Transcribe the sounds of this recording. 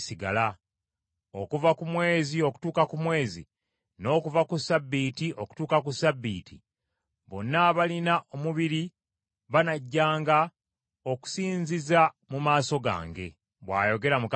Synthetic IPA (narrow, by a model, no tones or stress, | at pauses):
siɡa̰la | o̞kuvakumwe̞ːzio̞ku̥tuːkakumwe̞ːzḭ | no̞ːkuvakusabːiːtiʔoku̥tuːkakusabːiːtʰḭ | βo̞̰nːaβalinaʔomuβiɾi | βanaɟːaːŋɡa | o̞ku̥siːɲziza | mumaːso̞ɡa̰ːŋɡe̞̰ | βwa̰ːjo̞ɡe̞ɾamuk